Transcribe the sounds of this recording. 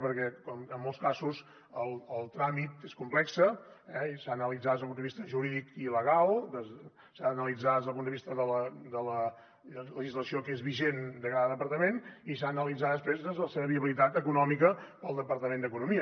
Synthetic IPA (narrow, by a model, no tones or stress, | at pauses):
pəɾkɛkɔməmːolˠskasus | əlˠəlˠt̪ɾamit̪eskumplɛksəɛsaːnəlid͡zad̪əzlˠpunəβist̪əʒuɾiðikiləɣalˠd̪ə | sanəlid͡zad̪əzðəlˠpund̪əβist̪əðələd̪ələ | ləʒizləsiokezβiʒend̪əkaðəðəpəɾt̪əmenisaːnəlid͡zat̪d̪əspɾezðəzələseβəβiəβilit̪at̪əkunɔmikə | pəlˠd̪əpəɾt̪əmend̪əkunumiə